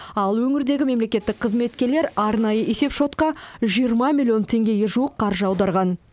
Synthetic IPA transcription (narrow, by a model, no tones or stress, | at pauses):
ɑlˠwɵŋɪɾd̪e̞ɡʲɪme̞mle̞kʲe̞t̪ːɪk̚qʰəzme̞t̪kʲe̞ɾle̞ɾɑɾnɑjəʔese̞pʃo̞t̪qɑʒijəɾmɑmʲilʲːio̞nt̪ʰe̞ŋɡʲe̞ɡʲeʒuəqʰːɑɾʒəɑwd̪ɑɾʁɑn